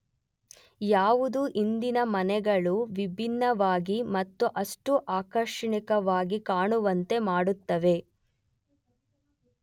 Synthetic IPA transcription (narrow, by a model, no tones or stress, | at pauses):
jaːʋud̪uʔind̪inɐmɐnɛɡɐɭuʋibʱinːɐʋaːɡimɐt̪ːuʔɐʂʈuʔaːkɐɾʂɐɳikɐʋaːɡikaːɳuʋɐnt̪e̞maːɽut̪ːɐʋe̞